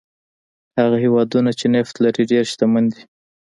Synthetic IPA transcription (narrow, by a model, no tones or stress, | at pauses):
haɣahewɑd̪unat͡ʃeneft̪laɾiɖeɾʃt̪amand̪i